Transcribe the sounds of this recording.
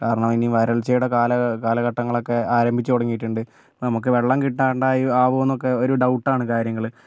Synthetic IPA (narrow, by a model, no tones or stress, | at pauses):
kaːɾɐɳɐminiʋɐɾɐɭt͡ɕejuɽɐkaːlɐkaːlɐɣɐʈːɐŋːɐɭo̞kːe̞aːɾɐmbʱit͡ɕːut̪oɽɐŋːijiʈːuɳɖɨ | nɐmuk̬ːɨʋe̞ɭːɐmkiʈːaːɾɐɳɖaːjiaːʋoːnːokːe̞o̞ɾuɖɐwʈːaːɳɨkaːɾjɐŋːɐɭ